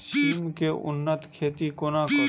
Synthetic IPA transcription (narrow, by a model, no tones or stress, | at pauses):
ʃiːmkeʔʊ̰nːət̪kʰeːt̪ikoːnakə